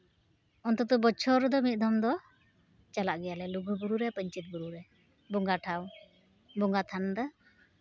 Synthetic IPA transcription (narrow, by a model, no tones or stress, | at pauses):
ɔnt̪ɔt̪ubɔt͡ʃʰɔɾɔd̪ɔmit̪̚ˀd̪ɔmd̪ɔ | t͡ʃalaʔɡɛjalɛluɡuɡuɾuɾɛpəɲt͡ʃit̪̚ɡuɾuɾɛ | bɔŋɡaʈʰaw | bɔŋɡat̪ʰand̪a